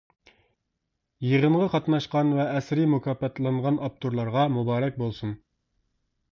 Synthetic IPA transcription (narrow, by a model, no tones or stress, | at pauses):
jəʁəɴʁɑqʰɑt̪nɑʃqɑnvɛːsɾɪmukʲʰɑːpɑt̪ʰlˠɑɴʁɑnʔɑp̚t̪ʰuɾlˠɑɾʁɑmubɑːɾɛk̚ʲbolˠsun